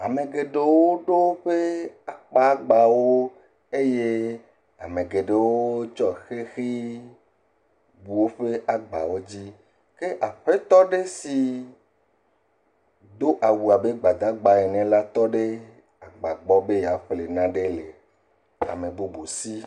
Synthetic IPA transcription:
a˨mẽ˨ɡe˨ɖe˦wo˦ɖo˦wo˦ɸe˦a˨k͡pa˦ɡ͡ba˨wo˦ | e˦je˦ | a˨mẽ˨ɡe˨ɖe˨wo˦t͡ʃɔ˦˨xe˦xi˦ | bu˨wo˦ɸe˦ʔa˨ɡ͡ba̰˨wo˦d͡ʑi˦ | ke˦ʔa˨ɸe˦t̪ɔ˦ɖe˦si˨ | d̪o˦ʔa˨wu˨a˨be˦ɡ͡ba˨d̪a˦ɡ͡ba˨e˨nɛ̃˨la˦t̪ɔ˦ɖe˦ | a˨ɡ͡ba˨ɡ͡bɔ˦be˦ja˨ɸle˨nã˦ɖe˦le˨ | a̰˨mẽ˨bo˦bo˨si˦

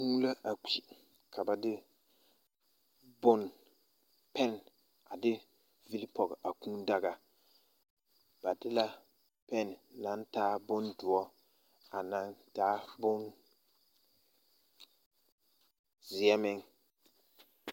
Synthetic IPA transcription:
kũ˦la˦ʔa˨k͡pi˨ | kʰa˨ba˨dɪ˦ | bʊ˦n | pɛ˦˨n | a˨dɪ˦ | vi˦lpɔ˨ɡʔa˨kũː˦da˦ɡa˨ | ba˨dɪ˦la˦ | pɛ˦nː˨a˨˦n˦taː˦bʊ˦ndʊ˨ɔ˦ | a˨na˨ŋtaː˦bʊ˦n | zɪ˨ɛ˦mɪ˦ŋ

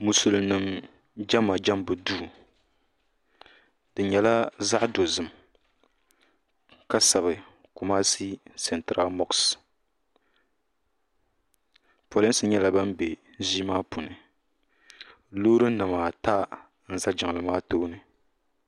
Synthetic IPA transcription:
mu˨su˨lnɨ˨m | d͡ʒa˦ma˨d͡ʒa˦mbɨ˨duː˦˨ | d̥ɨ˨ɲɛ˨la˦za˦ʔdo˨zɨ˨m | ka˦sa˨βɨ˨ | ku˨maː˦si˦sɛ˨ntɾa˦lmɔ˦ks | po˨lɛ˦n˦sɨ˨ɲɛ˦la˨ba˦mbe˨ | ʒiː˦maː˦pu˨nɨ˨ | loː˦ɾɨ˦nɨ˨maː˨taː˦ | n̩˦za˦d͡ʒa˨ŋ˨lɨ˨maː˦toː˦nɨ˨

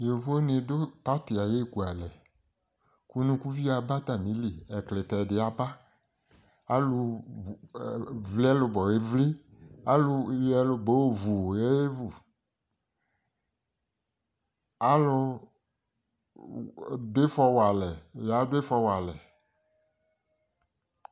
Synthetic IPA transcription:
jo˨vo˦ne˨do˦pa˦ti˨a˨je˦˨ku˨a˨lɛ˨ | ku˦nũ˦ku˦vi˦a˨ba˦t̪a˨mĩ˨˦li˨ɛ˨kle˨tɛ˨dɪ˨a˨ba˦ | a˦lʊ˧˨ | vli˦a˦lʊ˨˧bɔ˨e˦vli˦a˦lʊ˦jɛ˦lʊ˧bo˨˦˨vu˨jɛ˦e˦vu˨ | a˦lʊ˦ | dɪ˦fɔ˧wa˨lɛ˨ja˨˦dʊ˦e˦fɔ˧wa˨lɛ˨

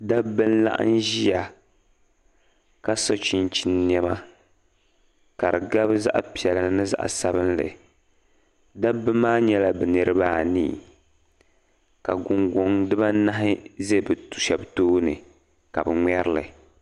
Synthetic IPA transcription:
da˦bɨ˦n̩˦la̰˦ʔɨ̰˦n˦ʒi˦a˨ | ka˦so˦t͡ʃi˨nt͡ʃi˨nː˦ɛ˦ma˦ | ka˨ɾɨ˨ɡa˦bza̰˦ʔpi˨ɛ˨lɨ˨nɨ˦za̰˦ʔa̰˨sa˦bɨ˦nlɨ̰˨ | da˦bɨ˦mːaː˦ɲɛ˦la˨bɛ˨nɨ˦ɾɨ˦baː˦˨nḭː˦˨ | ka˨ɡʊ˨ŋɡo˦ŋdɨ˦ba˦na˦ɦɪ˦ze˦bɨ˨tu̥˨ʃa˨btoː˦nɨ˨ | ka˨bɛ˨ŋʷɛ˦ɾɨ˦lɨ̰˨

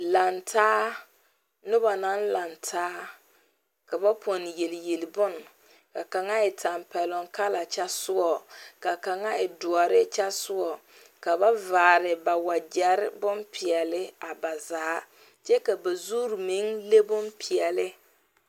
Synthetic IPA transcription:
la˨ntʰaː˦ | nʊ˦ba˨na˦n˦la˨ntʰaː˦ | ka˨ba˦po˨n˨je˨lje˨lɪ˨bʊ˦n | ka˨ka˨ŋa˦ɪ˨ta˨mpɛ˨lʊ˨ŋka˦la˨t͡ʃa˦sʊ˦ɔ˨ka˨ka˨ŋa˦ɪ˨dʊ˨ɔ˨ɾɪ˦t͡ʃa˦sʊ˦ɔ˨ | ka˨ba˦vaː˨ɾɪ˨ba˨wa˨d͡ʒɛ˨ɾɪ˦bʊ˦npʰɪ˨ɛ˨lɪ˦a˨ba˨za˨a˦ | t͡ʃɛ˦ka˨ba˨zuː˦ɾmi˨˦ŋle˦bʊ˦npʰi˨ɛ˨lɪ˦

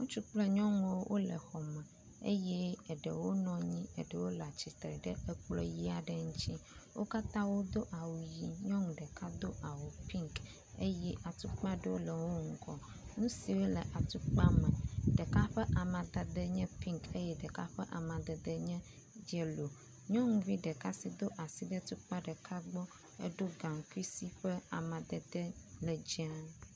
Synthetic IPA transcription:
ŋũ˦t͡ʃu˦k͡plɛ˦ɲɔ̃˦ŋ˨wo˦wʔo˦lə̰˨xɔ˨mɛ̃˨ | ḛ˦jɛ˦ə˨ɖə˨wo˦nɔ̃˦ɲĩ˦ə̰˨ɖə˨wo˦la˨t͡ɕi˨t̪ɾɛ˨ɖə˦ɛ˦k͡plɔ̰˦ji˦a˨ɖə˦ŋũ˦t͡ɕi˦wʔo̰˦ka˦t̪ã˦wo˦d̪o˦ʔa˨wu˨ji˨ɲɔ̃˦ŋũ˨ɖə˨ka˦d̪o˦ʔa˨wu˨pĩ˦ŋk | e˦jɛ˦ʔa˨t̪u˦k͡pã˦ɖə˦wo˦lə˨wo˦ŋ̩˦kɔ˦ | nũ˦si˨we˦lɛ˨ʔa˨t̪u˦k͡pa˦mɛ̃˨ɖɛ˨ka˦ɸɛ˦ʔa˨mã˨d̪a˨d̪ə˦ɲɛ̃˦pĩ˦ŋke˦jɛ˦ɖə˨ka˦ɸɛ˦ʔa˨mã˨d̪ə˨d̪ə˦ɲɛ̃˦ | d͡ʒɛ˦lo˨ | ɲɔ̃˦ŋũ˨vi˦ɖə˨ka˦si˦d̪o˦ʔa˨si˦ɖə˦t̪u˦k͡pa˦ɖə˨kʰa˦ɡ͡bɔ˦ | ɛ̰˦ɖo˦ɡa˨ŋ˨ku˦i˦si˦ɸɛ˦a̰˨mã˨d̪ə˨d̪ə˦lɛ˨d͡ʑi˦a˦

